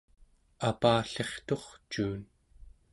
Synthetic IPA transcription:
apaːɬe̞χt̪o̞χt͡ʃuːn

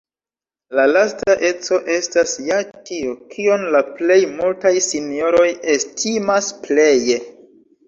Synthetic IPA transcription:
lalastaʔe̞t͡so̞ʔe̞stasjatiokʰio̞nlaple̞jmultajsinio̞ɾo̞je̞stʰimasple̞je

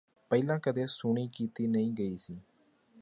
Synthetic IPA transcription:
pɛilãːkəd̪eːsʊɳ̃iːkiːt̪iːnəĩːɡəiːsiː

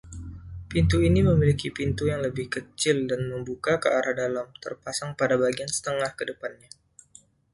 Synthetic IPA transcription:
pint̪uiniməmilikipint̪ujaŋləbɪhkət͡ʃɪldanməmbukakəaɾʔahdalamt̪ə̰rpasaŋpadabaɡiansə̥t̪əŋahkədəpanɲa

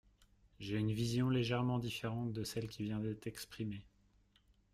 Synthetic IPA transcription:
ʒeynvizjɔ̃leʒɛʁmɑ̃d̪ifeʁɑ̃t̪̚d̪əsɛlkʲivjɛ̃d̪ɛt̪ɛkspχime

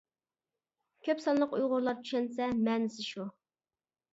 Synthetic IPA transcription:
kʲʰøpsɑnlˠəqujʁʊɾlˠɑɾt͡ʃʰy̥ʃɛnsɛmɛːnɪsɪʃu

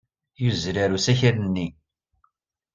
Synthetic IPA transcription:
juzɾaɾusæçəɾənːi

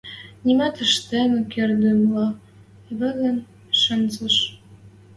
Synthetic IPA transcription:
nʲimɑt̪ə̆ʃt̪emə̆kerd̪əmlɑ | βə̆ɣə̆n | ʃə̆nzə̆ʃ

